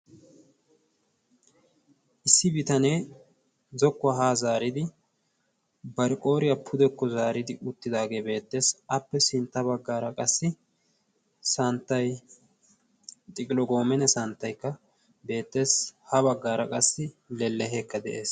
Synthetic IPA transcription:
ʔɪsːɪbɪt̪ɐneː | zɔkːʊaɦaːzaːɾɪd̪ɪ | bɐɾɪkʼo̞ːɾɪjɐpʰʊd̪ɛkːɔzaːɾɪd̪ɪʔʊt̪ːɪd̪aːɡe̞ːbe̞ːt̪ːe̞ːsɐpːɛsɪnt̪ːɐbɐɡːaːɾɐkʼɐsːɪ | sɐnt̪ːɐj | t̪ʼɪkʼɪlɔɡo̞ːmɛnɛsɐnt̪ːɐjkːɐ | be̞ːt̪ːe̞ːshɐβɐɡːaːɾɐkʼɐsːɪlɛlːɛɦɛkːɐd̪ɛʔe̞ːs

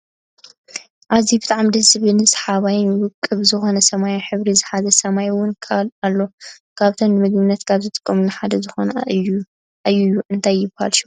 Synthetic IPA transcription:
ʔaβzibɨt̪ʼaʕmid̪ɐsβɨnɨsħaβajɪnjwʊkʼːɨβzɨxo̞nɐsɐmajonħɨβɾizɨħazɐsɐmajwʊnkʰalalːo̞ | kʰaβt̪ʰonnɨmɨɡmɨnːɐt̪kʰaβzɨt̪ʼɨ̥kʼːɐmunɨħad̪ɐzɨxo̞̰nɐ | ʔajujːuʔɨnt̪ʰajːɪbhalʃu

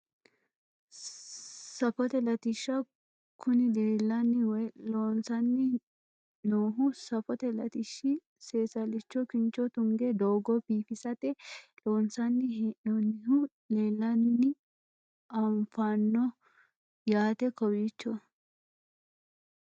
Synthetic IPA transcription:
sɐfɔt̪ɛlɐt̪ɪʃːɐ | kʰʊnɪleːlːɐnːɪwɔjloːnsɐnːɪ | noːɦʊsɐfɔt̪ɛlɐt̪ɪʃːɪ | seːsɐlɪt͡ʃːɔkɪnt͡ʃːɔt̪ʊŋɡɛd̪oːɡɔbiːfɪsɐt̪ɛloːnsɐnːɪnonɪhʊ | leːlːɐnːɪ | ɐɱfanːɔ | jaːt̪ɛkɔwit͡ʃːɔ

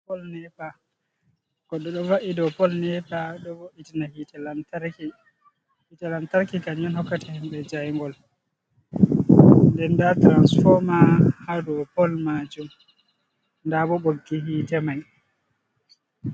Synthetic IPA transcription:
ɔlnɛpa | kɔɗɔɗɔvaʔidɔpɔlnɛpaɗɔvoʔitinahitl | hitɛlantaɾkikaɲɔnhɔkːatɛhimɓɛd͡ʒajŋɡɔl | ndɛndatɾansfɔɾmahadɔpɔlmad͡ʒum | ndaɓɔɓoɡːiɦiːtɛmaj

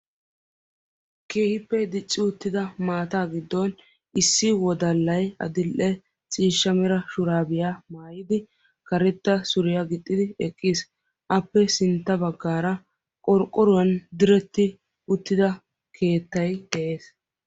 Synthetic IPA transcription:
ke̞ːhɪpːɛd̪ɪt͡ʃʼːɪʊt̪ːɪd̪ɐmaːt̪aːɡɪd̪ːɔn | ɪsːɪwɔd̪ɐlːɐjɐ̰d̪ɪlʔɛ | t͡sʼiːʃːɐmɛɾɐʃʊɾaːbɪjaːmaːjɪd̪ɪ | kɐɾɛt̪ːɐsʊɾɪjaɡɪt̪ʼːɪd̪ɪɛkʼːɪs | ʔɐpːɛsɪnt̪ːɐbɐɡːaːɾɐ | kʼɔɾkʼːɔɾʊwɐnd̪ɪɾɛt̪ːɪ | ʊt̪ːɪd̪ɐ | kʰe̞ːt̪ːɐjd̪ɛʔe̞ːs

